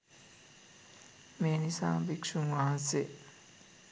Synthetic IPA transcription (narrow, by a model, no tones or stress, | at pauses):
meːnisa̰ːmbikʂuŋwaːse